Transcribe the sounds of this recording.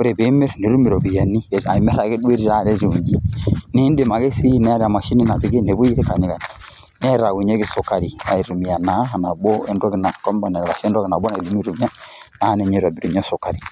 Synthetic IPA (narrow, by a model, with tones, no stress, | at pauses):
u˦ɾe˨be˨˦me˦ɾne˨ɾu˦mi˨ɾɔ˨βi˨ja˨ni˦˨a˨i˨mɛ˦ɾa˨˦e˦dwe˦ɾi˦ɾa˦˨ɾɛ˦d͡ʒe˨u˨ɲd͡ʒi˦ne˦nde˨ma˨ɡe˦si˦nɛ˦a˦ɾa˨ma˨ʃi˦ni˦na˨βi˦ɡe˦ne˨βu˦i˦ɾe˦ka˨ɲi˦ka˨ni̥˨ | n˦ɛ˦ɾa˨wu˨ɲɛ˦ki˦so˨ka˦ɾi˨a̰˨i˨ɾu˨mi˨a˨na˨˦ɦa˨na˨bɔ˦ɛ˦ndɔ˦ki˦na˨kɔ˦mba˨nɛ˨ɾβa˨ʃɛ˦ndɔ˦ki˨na˨bɔ˦na˨i˨du˦mi˦ɾu˨mi˦a˦na˨˦a˦nɛ˨ɲɛ˦˨ɾa˨bi˨ɾu˨ɲa˦so˨ka˨ɾi˨